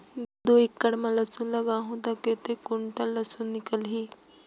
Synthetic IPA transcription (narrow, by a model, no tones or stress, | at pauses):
ɡd̪oikːɐɽmãlɐsunlɐɡaɦõd̪aket̪ekoɳʈəlːɐsunnːɪkəlɦiː